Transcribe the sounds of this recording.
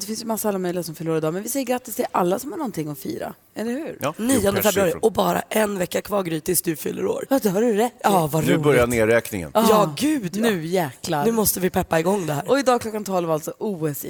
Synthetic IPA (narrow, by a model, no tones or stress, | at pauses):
d̪ɛfɪnsjəmasːalːamœjlɪɡasɔmfœɾɭuːɾaɾɪd̪ɑːmɛnvɪsɛjːɾɡɾat̪ːɪst̪ʰɛɛʔalːasɔmhaɳɔnt̪ɪŋːɔfḭːɾa̰ | ɛlːɛɾhʉ̟ːɾniːɔnd̪əɛfɛbɾʉɑːɾɪʔɔbɑːɾa̰ʔɛnvɛkːakʰvɑːɾɡɾyːt̪ɪsd̪ɵfʏ̰lːə̰ɾo̰ːɾɑd̪haɖɵɾɛt̪ːɑːvaʉbœɾjaneːɾɛːknɪ̰ŋə̰njɑːɡʉ̟ːd̪nʉ̟ːjæːklanʉ̟ːmɔst̪əvɪpʰɛpːaɪɡɔŋːd̪ɛhæːɾɔɪd̪ɑːɡkʰlɔkːant̪ʰɔlvalt̪sɔʔuːɛs